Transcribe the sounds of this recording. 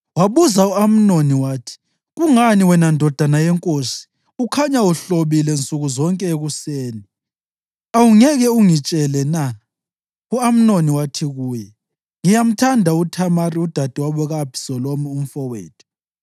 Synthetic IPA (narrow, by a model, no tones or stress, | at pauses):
waβuzauam̩noniwaːtʰi̥ | ɣuŋaniwɛnandʱɔd̥ʱanajɛŋkʼosi̥ | ukʰaɲauɬoβilɛnt͡sʼuɣuzɔŋkʼɛeɣuseːni | awuŋɛɣɛuŋit͡ʃʼɛlɛna | uam̩noniwatʰiɣuːjɛ | ŋijam̩tʰandʱautʰamariud̥ʱad̥ʱiwaβɛɣapʰi̥sɔlomium̩fɔwḛːtʰu̥